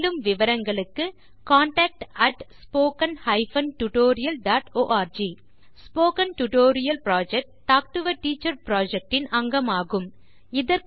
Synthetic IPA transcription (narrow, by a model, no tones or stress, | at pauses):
lɯmʋɪʋɐɾɐŋɡɐɭɯkːɯ | kaːɳʈaːk̚ʈɐʈspoːkɐnhɐɪfɐnʈʊʈoːɾɪjɐlɖaːʈoːʔaːɾd͡ʒiː | spoːkɐnʈʊʈoːɾɪjɐlpɾaːd͡ʒɛk̚ʈʈːaːk̚ʈɯʋɐʈːiːt͡ʃːɐɾpɾaːd͡ʒɛk̚ʈɪnɐŋɡɐmaːɣɯm | ɪðɐɾk